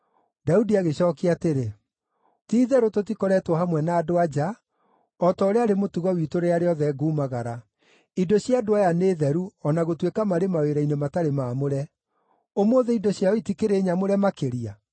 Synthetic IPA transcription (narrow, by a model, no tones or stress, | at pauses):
daudiaɣeɕɔːkiateɾe | tiːðɛɾotot̬ikɔɾɛtwɔhamwɛnaːdoad͡ʒa | ɔtɔoɾeaɾemotuɣɔwiːtoɾeaɾeɔðɛɡuːmaɣaɾa | idoɕjadoajaneːðɛɾuɔnaɣotwekamaɾemaweɾainemataɾemaːmoɾɛ | omoːðeidoɕjaɔitikeɾeɲamoɾɛmakeɾia̰